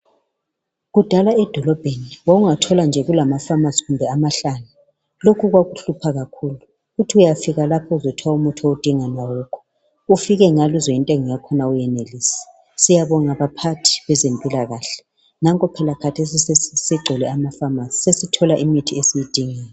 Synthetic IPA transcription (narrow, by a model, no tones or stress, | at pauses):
ɣud̥ʱalaɛd̥ʱɔlɔb̥ʱeniwoɣuŋatʰɔland͡ʒʱɛɣulamafamaziɣumbʱɛamaɬanu | lokʰuɣwaɣuɬupʰaɣakʰuːlu | ɣutʰiujafiɣalapʰɔuzɔtʰwaumutʰɔud̥ʱiŋanwawɔkʰɔ̥ | ufiɣɛŋaluzɔintʼeŋɔjakʰɔnaujɛneliːsɛ̥ | sijaβɔŋaβapʰatʰi̥βɛzempʼilaɣaɬɛ̥ | naŋkʼɔpʰɛlakʰatʰes̬isiisiɡ͡ǀʱɔlɛamafamasi̥sesitʰɔlaʔimitʰiesijid̥ʱiŋɛːlɛ